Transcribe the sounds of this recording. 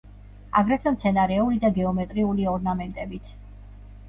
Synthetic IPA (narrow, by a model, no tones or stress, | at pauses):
aɡɾɛt̪ʰɛmt̪sʰɛnaɾɛulid̪aɡɛɔmɛt̪ʼɾiuliɔɾnamɛnt̪ʼɛbit̪ʰ